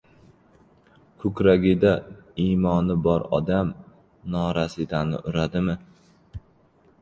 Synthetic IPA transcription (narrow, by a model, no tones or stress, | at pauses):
kʰʊkʲɾaɡʲɪd̪aimɒnɪbɒɾɒ̰d̪am | nɒɾasɪd̪anɪ̰ʔʊɾad̪ɪmɪ